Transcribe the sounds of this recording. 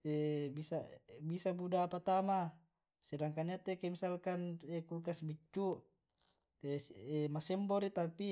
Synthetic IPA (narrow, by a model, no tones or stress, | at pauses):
ebisabisabudapat̪ama | sedaŋkaniat̪ekemisalkanekukasbit͡ʃːu | eemasɛmboɾit̪api